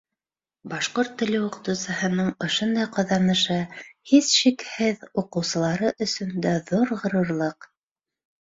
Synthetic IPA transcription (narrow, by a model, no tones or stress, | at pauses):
bɑʃqoɾt̪ːɘ̆lɘwŭqɤ̆t̪ɤ̆wsɤ̆ɦɤ̆nɤɴŏʃond̪ɑjqŏðɑnɤ̆ʃɤhisʃikhɘðuqɤ̆wsɤ̆lˠɑɾɤʔɵ̆sɵnd̪æðuɾʁɤ̆ɾɤ̆ɾlˠɤq